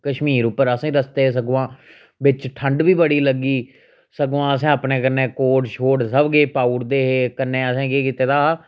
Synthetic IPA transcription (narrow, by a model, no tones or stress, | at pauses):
kəʃmiːɾʊpːəɾəsãːɾəst̪eːs̬əɡʋãː | ʋɪt͡ʃʈʰəɳɖbiːbəɽiːləɡiː | səɡʋãːəs̬ɛ̃ːəpneːkənẽːkoːʈʃʰoːɽsəbɡeːpaːʊɾd̪eːɦeːkənːeːəsɛ̃ːkeːkiːt̪eːt̪aː